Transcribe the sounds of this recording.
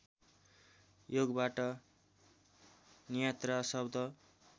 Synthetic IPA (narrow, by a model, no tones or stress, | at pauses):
joɡbaʈʌ | nijʌt̪rasʌbd̪ʱʌ